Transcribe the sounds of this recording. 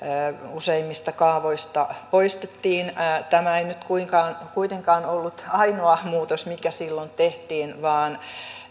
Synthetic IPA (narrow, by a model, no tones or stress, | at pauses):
əːuseimːist̪ɑkɑːʋoist̪ɑpoist̪et̪ːiːnːt̪æmæeinyt̪kuiŋkɑːnkuit̪eŋkɑːnolːut̪ɑinoɑmuːt̪osmikæsilːont̪eht̪iːnʋɑːn